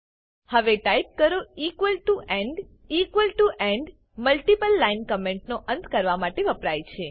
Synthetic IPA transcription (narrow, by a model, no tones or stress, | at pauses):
həʋeʈaip̚kəɾoikʋəlʈuʔẽɳɖ | ikʋəlʈuʔeɳɖ | məlʈipəlːainkəmeɳʈnoʔə̃nt̪kəɾʋamaʈeʋəpɾajt͡ʃʰe